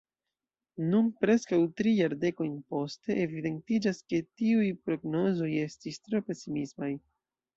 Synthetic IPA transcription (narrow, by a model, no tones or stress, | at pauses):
nunpɾe̞skawtɾijaɾde̞ko̞jnpo̞ste̞ʔevide̞ntid͡ʒaske̞tiujpɾo̞ɡno̞zo̞je̞stistɾo̞pe̞simismaj